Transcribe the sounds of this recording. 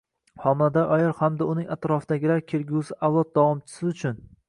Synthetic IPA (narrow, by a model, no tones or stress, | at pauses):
hɒmlad̪aʔɒjɪɾhamd̪aʊnɪŋʲat̪ɾɒfd̪̥aɡʲɪlaɾkʲʰe̞ɾɡʲusɪʔawlˠɒt̪̚d̪ɒwɒmt͡ʃʰɪ̥sɪʊt͡ʃʰʊn